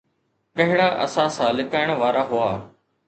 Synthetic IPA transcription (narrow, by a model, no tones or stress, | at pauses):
kɐɦɪɽaːʔɐ̰sãsãːlɪkaːɪɽ̃ʋaːɾaɦʊaː